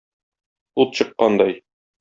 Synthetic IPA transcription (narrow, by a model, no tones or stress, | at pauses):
ut̪ɕɤ̆qːɑnd̪ɑj